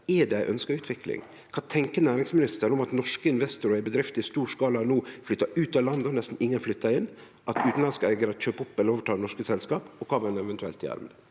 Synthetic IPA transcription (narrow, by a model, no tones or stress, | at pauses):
ɛɖɛɪʔœnskəɾʉːt̪ʰʋɪklɪ̰ŋ | kʰɑːt̪ʰɛŋkənæːɾɪŋsmɪnɪst̪ənɔmɑt̪nɔʂkəɪnʋɛst̪ʊɾɔɛbəd̪ɾɪft̪ɪst̪uːʂkɑːlɑnuːflʏt̪ːɑʉːt̪ɑːlɑnd̪nɛst̪n̩ɪŋːənflʏt̪ʰːɑɪnː | ʔɑt̪ʉːt̪n̩lɑnskɑæɪɡəɾɑt̪c͡çʰøːpʊpːɛlːəɾoːʋəʈʰɑːd̪nɔʂkəsɛlskɑːpɔkʰɑːʋɛnɛʋɛnt̪ʉɛ̰lt̪ɪæ̰ɾmə̰nə